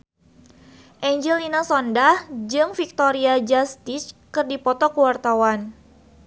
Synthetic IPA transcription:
ʔɛɲd͡ʒɛlinasɔndahd͡ʒɨŋfik̚t̪oɾiad͡ʒast̪ɪskɨrdipɔt̪ɔkəwart̪awan

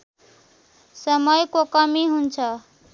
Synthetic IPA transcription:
sʌmʌjkokʌmiɦunt͡sʰʌ

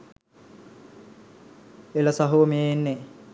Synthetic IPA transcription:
elɐsaɦuʋəmeːnːe

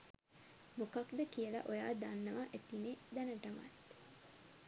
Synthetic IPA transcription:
mukɐkd̪ɐkiəlɐ̰ʔoja̰ːd̪anːɐʋaʔet̪ined̪ɛnɐʈɐmɐ̰t̪

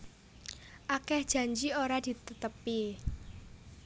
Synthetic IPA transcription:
ʔakɛhd̥ʒ̥a̤ɲd͡ʒioɾad̪̥i̤t̪ət̪əpi

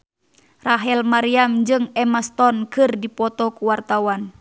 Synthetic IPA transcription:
raɦɛlmaɾiamd͡ʒɨŋɛmast̪ɔnkɨrdipɔt̪ɔkuwart̪awan

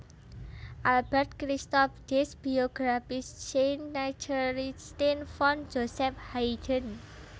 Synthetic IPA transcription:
ʔalbɛrt̪̚kɾist̪ɔfd̥ɛsb̥ioɡ̥ɾafɪst͡ʃenːat͡ʃulist̪infɔn̥d͡ʒosɛp̚haid̥ən

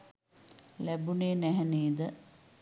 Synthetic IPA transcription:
læbuneːnæɦɛniːd̪ə

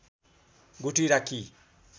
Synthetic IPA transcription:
ɡutiɾaki

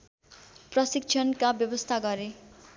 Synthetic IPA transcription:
prʌsik̚t͡ʃʰʌnkabjʌbʌst̪ʰaɡʌɾe

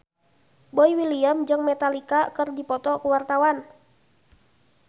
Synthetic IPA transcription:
boiwiliəmd͡ʒɨŋmɛt̪alikakɨrdipɔt̪ɔkuwart̪awan

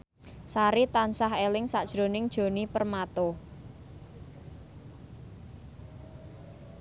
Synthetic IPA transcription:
saɾit̪ansaɦelɪŋsaʔd̥ʒ̥ɾo̤nɪŋd̥ʒ̥o̤nipərmat̪o

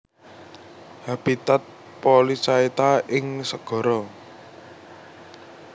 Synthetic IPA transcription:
hab̥it̪at̪̚ | polisait̪aʔɪŋsəɡ̥ɔ̤ɾɔ

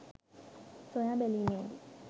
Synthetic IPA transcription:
sɔ̃jabɛlinɛ̃d̪i

